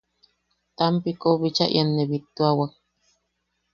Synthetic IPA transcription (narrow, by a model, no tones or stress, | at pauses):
t̪ampikoβit͡ʃa̰ʔḭanːeβit̪uawak̚